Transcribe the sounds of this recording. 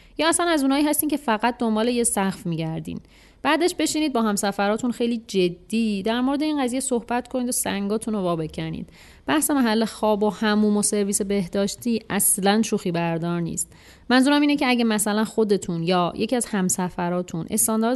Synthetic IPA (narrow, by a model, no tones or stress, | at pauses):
jɒːæslænæzuːnɒːiːɦæst̪iːmcʰefæɣæt̪̚d̪o̞mbɒːlejesæxfmiːɟæɾd̪ḭːn | b̥æːd̪eʃbe̞ʃiːniːd̪̚bɒːɦæmsæfæɾɒːt̪ʰunxe̞jliːd͡ʒed̪ːiːd̪æɾmo̞ɾed̪e̞iːnɢæzijeso̞hb̥æt̪kʰo̞niːd̪osæ̰ŋɡɒːt̪ʰuno̞vɒːbe̞cʰænḭːd̪̥ | b̥æhse̞mæɦælːexɒːbo̞hæmuːmo̞se̞ɾviːse̞be̞hd̪ɒːʃt̪ʰiːʔæslænʃuːxiːbæɾd̪ɒːɾnḭːst̪̚ | mænzuːɾæmiːnecʰeæɟemæsælænxo̞d̪e̞t̪ʰunjɒːjʔe̞cʰiæz̥hæmsæfæɾɒːt̪ʰunʔe̞̰st̪ɒːnd̪ɒːɾ